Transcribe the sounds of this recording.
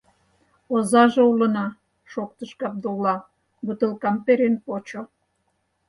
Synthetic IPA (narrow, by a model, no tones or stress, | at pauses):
ozɑʒeulə̆nɑ | ʃok̚t̪əʃkɑp̚d̪olɑ | but̪əlkɑmpeɾenpot͡ɕo